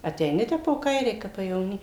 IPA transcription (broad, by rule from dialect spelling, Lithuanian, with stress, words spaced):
ɐtʲɛɪˈnʲɪ ˈtʲɛp poː ˈkɐɪrʲɛɪ ˈkɐp pɐjɛʋoːˈnʲiː